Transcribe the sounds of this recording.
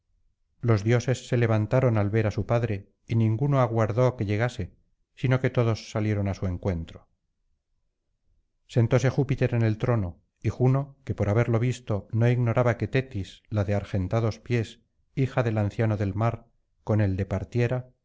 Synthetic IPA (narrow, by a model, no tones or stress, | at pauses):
lo̞zðjo̞se̞sːe̞le̞β̞ant̪aɾo̞nalβe̞ɾasupaðɾe̞ | inĩŋɡuno̞aɣwaɾðo̞ke̞ʎe̞ɣase̞ | sino̞ke̞t̪oðo̞sːalje̞ɾo̞nasue̞ŋkwe̞nt̪ɾo̥ | se̞nt̪o̞se̞xupit̪e̞ɾene̞lt̪ɾo̞no̞ | ixuno̞ke̞po̞ɾaβe̞ɾlo̞β̞ist̪o̞no̞iɣno̞ɾaβake̞t̪e̞t̪islaðeaɾxe̞nt̪aðospje̞s | ixaðe̞lanθjanoðe̞lmaɾ | ko̞ne̞ld̪e̞paɾt̪je̞ɾa